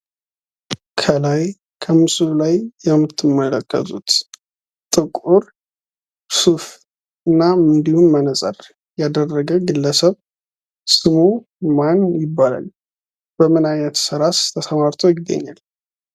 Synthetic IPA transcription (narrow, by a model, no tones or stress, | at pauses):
kʰəlaj | kʰəmɨsulajːɛmːɨt̪ʰːɨmːələkʰːə̰t̪ʼut̪ | t̪ʼɨkʼuɾ | suf | ɨnːaɨnd̪ihunmənəsʼə̰r | jad̪ərːəɡəɡɨlːəsəβ | sɨβu | manjɪbːala̰l | b̥əmɨnajnət̪səɾast̪ʰəsəmaɾt̪ʰojɪd̪ə̰ɲːa̰l